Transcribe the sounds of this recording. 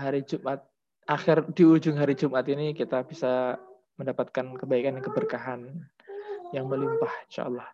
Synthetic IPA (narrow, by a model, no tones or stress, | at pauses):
ɦaɾid͡ʒumʔat̪̚ | axɪrdiud͡ʒʊŋɦaɾid͡ʒumat̪inikit̪abisa | məndapat̪̚kankəbaikanjaŋkəbərkaɦan | jaŋməlimpahinʃa̰ʔlːɑh